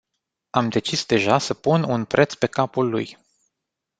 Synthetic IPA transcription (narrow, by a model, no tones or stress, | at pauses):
amd̪e̞t͡ʃisd̪e̞ʒasəpununpɾʔe̞t̪spe̞kapulːṵj